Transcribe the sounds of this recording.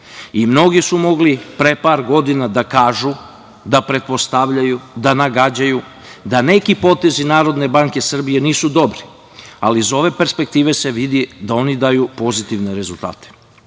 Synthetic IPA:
imno̞ɡisumo̞ɡlipɾepaːɾɡo̞d̪inad̪akaːʒu | d̪apɾe̞t̪̚po̞st̪aʋʎajud̪anaɡad͡ʑaju | d̪ane̞kipo̞t̪e̞zinaːɾo̞d̪ne̞baŋke̞sr̩bije̞niːsud̪o̞bɾi | alizo̞ʋe̞pe̞ɾspe̞k̚t̪iːʋe̞se̞ʋid̪id̪ao̞nid̪aːjupo̞zit̪iʋne̞ɾe̞zulˠt̪a̰ːt̪e̥

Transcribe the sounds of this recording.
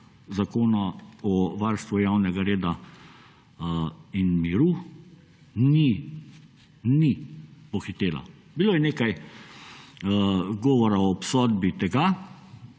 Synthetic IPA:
zakoːnaɔʋaɾst̪ʋujawnɛɡaɾeːd̪a | inmiɾu | ni | nipɔxit̪eːla̰ | bilojɛneːkaj | ɡɔːʋɔɾaɔpsɔːd̪bit̪ɛɡa

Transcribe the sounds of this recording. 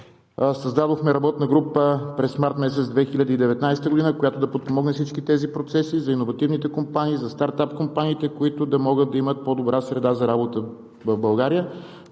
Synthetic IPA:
sɐzd̪ad̪oxmɛɾɐbɔt̪nəɡɾupəpɾɛsmaɾt̪mɛs̬ɛt̪zd̪vɛxiʎʲəd̪əid̪ɛvɛt̪najsɛ̥t̪əɡod̪inəkojat̪od̪ɐpot̪̚pomɔɡnɛfsit͡ʃkit̪ɛzipɾot̪sɛsizɐinovɐt̪ivnit̪ɛkompaniːzɐst̪aɾt̪apkompaniːt̪ɛkoit̪ʊd̪ɐmɔɡəd̪̚d̪ɐimət̪̚pod̪obɾʔasɾɛd̪azɐɾabot̪ə | vɐvbɐlˠɡaɾijə

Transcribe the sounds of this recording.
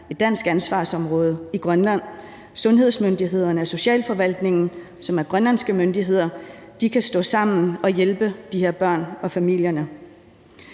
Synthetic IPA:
e̝d̥ːæn̰sɡ̥ænsʋɑ̈ːsɒ̽mʁɔ̽ːð̞ˠəiɡ̥ʁɶnlæn̰ | sɔ̽nɦe̝ð̞̰ˠsmønd̥iɦe̝ð̞̰ˠɐnəæso̝ɕɛ̰ːlfɒ̽ʋæl̰d̥ne̝ŋn̩ | sɒ̽mæɐɡ̥ʁɶnlænsɡ̥əmønd̥iɦe̝ð̞̰ˠɐd̥ikʰæsd̥ɔ̰̽ːsɑ̈m̰n̩ɒ̽jelb̥əd̥ihe̝ɐ̰b̥ɶɐ̰nɒ̽fæmil̰jɐnə

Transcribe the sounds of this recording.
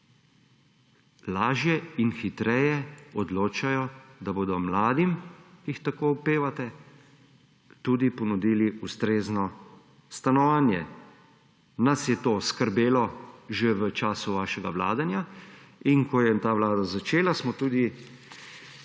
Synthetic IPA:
laːʒjɛinxit̪ɾɛjɛɔd̪loːt͡ʃajɔd̪aboːd̪ɔmlaːd̪imixt̪akoupeːʋat̪ɛ | t̪uːd̪ipɔnud̪iːliust̪ɾeːznɔ | st̪anɔʋaːnjɛ | nasjɛt̪oːskəɾbeːlɔʒeʋət͡ʃaːsuʋaːʃɛɡaʋla̰ːd̪anjainkɔjɛt̪aːʋlaːd̪azat͡ʃeːlasmɔt̪uːd̪i

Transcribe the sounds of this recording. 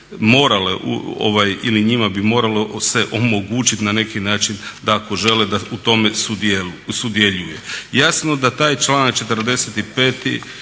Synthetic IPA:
mo̞ːɾaleʔṵo̰ʋajiliɲimabimo̞ːɾalose̞ʔo̞mo̞ɡuːt͡ʃit̪nane̞kinaːt͡ʃind̪ako̞ʒe̞led̪aut̪o̞mesud̪esud̪jeʎujejasnod̪at̪aːjt͡ʃlˠaːnakt͡ʃe̞t̪ərd̪e̞set̪ipeːt̪ḭ

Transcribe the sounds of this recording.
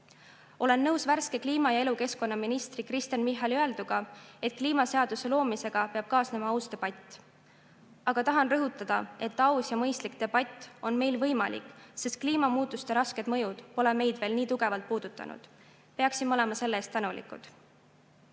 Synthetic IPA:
o̞le̞nːɤ̞wsværske̞kliːmɑjɑe̞luke̞sko̞nːɑminist̪rikrist̪jɑnmiɦːɑliøeld̪uɡ̥ɑe̞t̪̚ˑkliːmɑse̞ɑd̪̥use̞lo̞ːmise̞ɡ̥ɑpeɑb̥kɑːsne̞mɑɑwst̪e̞b̥ɑt̪ʲːˑ | ɑɡ̥ɑt̪ɑɦɑnrɤɦut̪ːˑɑd̪̥ɑe̞t̪ːˑɑwsjɑmɤjst̪lik̚t̪e̞b̥ɑt̪ʲːˑo̞nme̞jlvɤjmɑlḭkˑse̞st̪̚kliːmɑmuːt̪ːˑust̪e̞ɾɑske̞d̪̥mɤ̞jud̪̥po̞leme̞jd̪̥ve̞ːlniːt̪uɡ̥e̞vɑlt̪̚puːd̪̥ut̪ːˑɑ̰nṵd̪̥ | peɑksimo̞le̞mɑse̞lːeest̪ːænulḭkˑṵd̪̥

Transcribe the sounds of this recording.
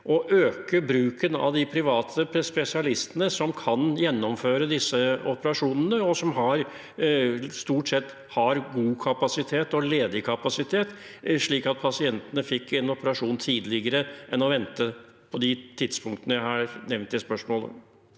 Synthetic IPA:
ʔɔʔøːkəbɾʉːkənɑ̰ʋd̪ɪpʰɾɪʋɑːt̪ʰəpʰɛspɛsɪɑlɪst̪ənəsɔmkʰɑnjɛnːɔmføːɾəd̪ɪsːəɔpəɾɑʂuːnənəɔsɔmɦɑɾ | st̪uːʈsɛt̪ː | hɑɾɡuːkʰɑpɑsɪt̪ʰeːt̪ɔleːd̪ɪkʰɑpɑsɪt̪ʰeːt̪ʂɭiːkɑt̪̚pʰɑsɪɛnt̪ənəfɪkːɛnɔpəɾɑʂuːnt̪ʰiːd̪lɪɡəɾəʔɛnɔʋɛnt̪ə | pʰɔd̪ɪt̪ʰɪd̪spʰʊŋk̚t̪ənəjæɪhɑɾnɛʋnt̪jɪspœʂmoːlə̰

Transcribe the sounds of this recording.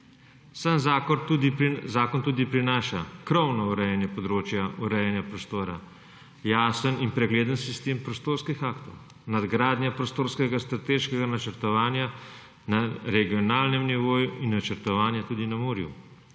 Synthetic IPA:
sanzakɔud̪izaːkɔnt̪uːd̪ipɾinaːʃakɾɔwnɔuɾɛjɛnjɛpɔd̪ɾoːt͡ʃjauɾɛjɛnjapɾɔst̪oːɾa̰ | jaːsəninpɾɛɡleːd̪ənsist̪eːmpɾɔst̪oːɾskixaːkt̪ɔw | nad̪ɡɾaːd̪njapɾɔst̪oːɾskɛɡast̪ɾat̪eːʃkɛɡanat͡ʃəɾt̪ɔʋaːnja | naɾɛɡijɔnaːlnɛmniʋoːjuinːat͡ʃəɾt̪ɔʋaːnjat̪uːd̪inamuːɾjṵ

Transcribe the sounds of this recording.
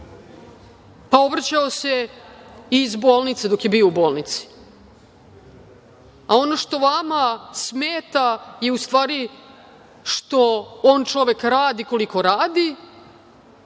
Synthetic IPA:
pao̞bɾat͡ɕaose̞ | izbo̞ːlˠnit̪sed̪o̞kje̞bio̞ubo̞ːlˠnit̪si̥ | ao̞no̞ʃt̪o̞ʋamasmeːt̪aje̞ust̪vʋaːɾi | ʃt̪o̞oːnt͡ʃo̞ʋe̞kɾaːd̪iko̞liko̞ɾaːd̪i

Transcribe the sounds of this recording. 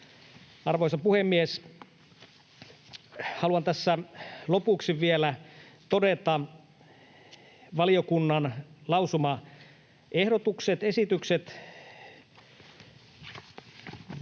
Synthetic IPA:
ɑrʋojsɑpuhemːies | hɑluɑnt̪æsːælopuksiʋielæt̪odet̪ɑ | ʋɑliokunːɑnlɑwsumɑ | ehdot̪ukset̪esit̪ykset̪

